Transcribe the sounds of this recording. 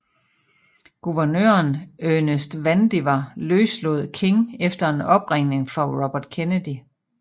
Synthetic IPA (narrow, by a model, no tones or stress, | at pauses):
ɡ̥uʋɐnø̰ːɐnønesd̥ʋænd̥iʋɑløːslo̝ð̩̰ˠkʰe̝ŋefd̥ɐe̝nɒ̽b̥ʁeŋ̰ne̝ŋfɒʁɒb̥ɐd̥kʰenəd̥i